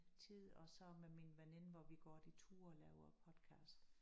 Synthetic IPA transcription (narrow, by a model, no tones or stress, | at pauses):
t͡sʰið̰ˠɒ̽sɒ̽meminʋenenəʋɒʋiɡ̥ɒd̥it͡sʰuːlɛʊɐpʰɒ̽d̥kʰɑ̈ːsd̥